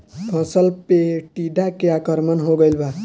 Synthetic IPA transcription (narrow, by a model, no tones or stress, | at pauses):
pʰʌ̃səlpeʈiɖakeakəɾmənɦoɡəɪlba